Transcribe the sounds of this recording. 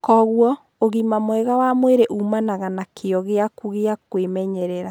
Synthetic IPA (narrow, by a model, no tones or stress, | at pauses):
kɔɣwɔ | oɣimamowɛɣawamweɾeʔumanaɣanakʰeɔɣeakuɣeakwemɛɲɛɾɛɾa